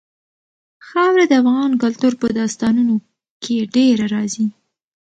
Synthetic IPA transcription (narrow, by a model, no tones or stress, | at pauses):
xɑwɾad̪əafɣɑnkʊlt̪uɾpəd̪ɑst̪ɑnuno | kʰeɖeɾaɾɑzi